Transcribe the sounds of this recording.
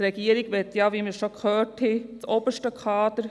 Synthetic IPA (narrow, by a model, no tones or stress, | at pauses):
ɾɛɡ̥iːəɾiɡʋɛt̪jɑːʋiːməɾʃokhøːthit͡sobəʃtəkʰɑːd̥̪əɾ